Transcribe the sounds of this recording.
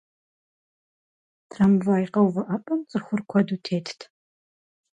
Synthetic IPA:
tʰrɐmvaːjqɐwvɐʔɐpʼɐmt͡sʼɨxʷʊrkʷʰɔduːtʰeːtʰtʰ

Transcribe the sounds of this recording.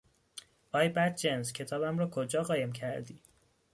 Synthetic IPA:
ɒːjbæt̪̚d͡ʒenscʰe̞t̪ʰɒːbæmɾɒːkʰod͡ʒɒːɣɒːje̞mcʰæɾd̪iː

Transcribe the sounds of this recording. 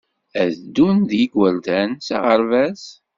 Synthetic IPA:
æðd̪ːunðjiɡwəld̪ænsa̰ʁəɾvæz

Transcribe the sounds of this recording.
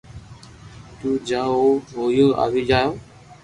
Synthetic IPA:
t̪uːd͡ʒaːoːɦoːjoːa̰ːʋiːd͡ʒaːjoː

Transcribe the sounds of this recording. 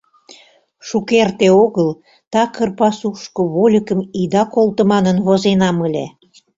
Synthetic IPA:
ʃukert̪eoɣəl | t̪ɑkərpɑsuʃkŏβolʲəkəmid̪ɑkolˠt̪ə̆mɑnənβozenɑməlʲḛ

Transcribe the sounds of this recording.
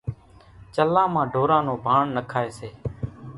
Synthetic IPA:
t͡ʃəlãːmãːɖʱoːɾãːnõːbʱaːɳnəkʰaːeːseː

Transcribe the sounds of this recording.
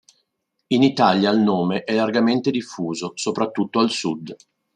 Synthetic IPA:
init̪aːljailnoːmeʔɛlːarɡament̪ed̪ifːuːzosopɾat̪ːut̪ːoalsud̪

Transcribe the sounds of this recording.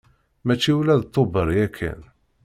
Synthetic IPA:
mæt͡ʃːiwlæðt̪ˤːobəɾˤjækʰːæ̰n

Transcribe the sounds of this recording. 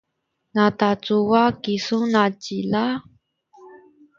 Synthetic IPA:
natat͡suwakisunat͡ɕila

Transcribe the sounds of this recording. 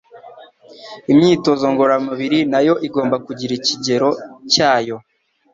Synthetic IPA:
imɲiːto̞zo̞ŋɡo̞ɾamuβiɾinajo̞ʔiɡo̞ːmbakuɟiɾiciɟe̞ɾo̞caːjo̞

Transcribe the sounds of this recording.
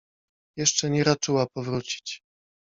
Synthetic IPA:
jɛʂt͡ʂɛɲɛɾat͡ʂɘwapɔvɾut͡ɕi̥t͡ɕ

